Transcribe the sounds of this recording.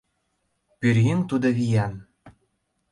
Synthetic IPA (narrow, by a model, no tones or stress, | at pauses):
pyɾɣent̪ud̪oβijɑn